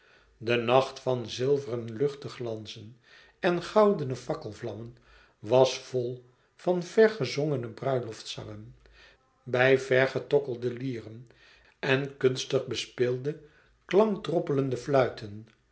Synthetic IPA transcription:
dənɑχtfɑnzɪlˠvərənlɵχtəχlɑnzən | ɛnχɑwdənəvɑkəlˠvlɑmən | ʋɑsfolˠ | v̥ɑnv̥ɛɹχəzɔŋənəbrœɥlɔftsɑ̰ŋən | bɛjvɛɹχətɔkəlˠdəliːrən | ɛnkɵnstəχbəspɪlˠdə | klɑŋdrɔpələndəflœɥtʰən

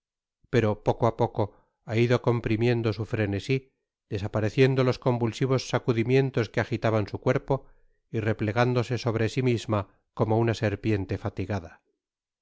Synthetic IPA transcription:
pe̞ɾo̞po̞koapo̞ko̞ | aiðo̞ko̞mpɾimje̞nd̪o̞sufɾe̞ne̞si | ð̥e̞sapaɾe̞θje̞nd̪o̞losko̞mbulsiβ̞o̞sːakuðimje̞nt̪o̞skeaxit̪aβansukwe̞ɾpo̞ | ire̞ple̞ɣand̪o̞se̞so̞β̞ɾe̞simizma | komo̞unase̞ɾpje̞nt̪e̞fat̪iɣaða

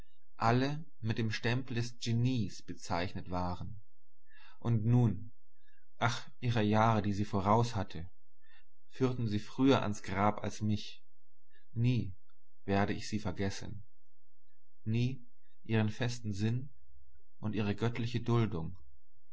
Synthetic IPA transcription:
ʔalə | mɪt̚d̥eːmʃtɛmpl̩dɛsʒ̥eniːsb̥ət͡saɪçnətv̥aːʁ̞ən | ʔʊntnuːn | ʔaχ | ʔiːʁɐjaːʁədiːziːfoːʁ̞aʊshatʰə | fyːɐtn̩ziːfʁ̥yːɐʔa̰nsɡ̥ʁaːpa̰lsmɪç | niː | v̥eːɐɾəɪçz̥iːfɛɐɡɛsən̩ | niː | ʔiːʁ̞ənfɛstn̩zɪn | ʔʊntʔiːʁ̞əɡœtlɪçədʊldʊŋ

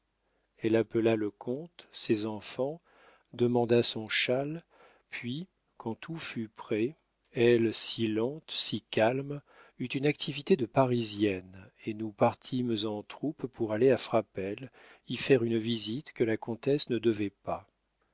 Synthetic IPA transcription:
ɛlapəlaləkʰɔ̃t̪sezɑ̃fɑ̃ | d̪əmɑ̃d̪asɔ̃ʃal | pɥi | kɑ̃t̪ʰufypχɛ | ɛlsilɑ̃t̪sikalm | yt̪ynakt̪ʰivit̪ed̪əpaʁizjɛnenupaʁt̪ʰimzɑ̃t̪χuppuʁaleafχapɛl | ifɛʁynvizit̪kəlakɔ̃t̪ɛsnəd̪əvɛpa

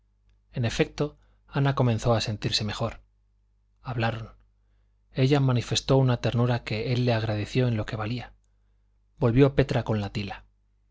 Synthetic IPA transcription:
e̞ne̞fe̞k̚t̪o̞ | anako̞menθo̞ase̞nt̪iɾse̞me̞xo̞ɾ | aβlaɾo̞n | e̞ʝamãnife̞st̪o̞unat̪e̞ɾnuɾake̞e̞lːe̞aɣ̞ɾað̞e̞θjo̞enlo̞ke̞βalia | bo̞lβjo̞pe̞t̪ɾako̞nlat̪ila

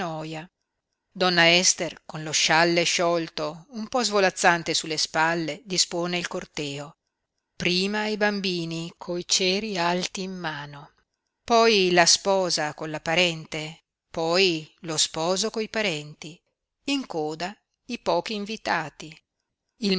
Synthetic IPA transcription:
ɔja | d̪ɔnːaɛst̪erkonloʃalːeʃɔlt̪oumpɔzvolat̪sːant̪esulːespalːed̪ispoːneilkort̪ɛːo | pɾiːmaibambiːnikʰojt͡ʃɛːɾialt̪iːmːaːno | pɔjlaspɔːzakonlapaɾɛnt̪e | pɔjlospɔːzokoipaɾɛnt̪i | iŋkoːd̪a | ipɔːk̟iːɱvit̪aːt̪i | il

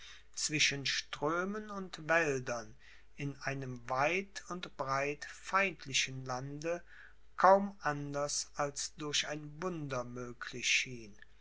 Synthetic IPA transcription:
t͡sv̥ɪʃənʃtʁ̥øːmənʊntvɛldɐn | ɪnʔaɪnəmvaɪtʊntb̥ʁaɪtfaɪ̃ntʰlɪʃənlandə | kʰaʊmʔandɐsʔalsd̥ʊɐçaɪnvʊndɐmøːkʰlɪʃiːn

